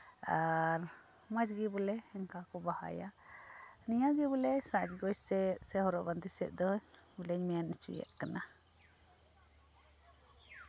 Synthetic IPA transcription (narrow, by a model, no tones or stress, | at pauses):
aɾ | mad͡ʒɡibɔlɛɛŋkakɔbaha̰ja | nijaɡibɔlɛsad͡ʒɡɔjsɛsɛhɔɾɔʔband̪isɛ̰ʔ̪̚d̪ɔɲ | ulɛɲmɛjanɛt͡ʃṵjɛ̰ʔkana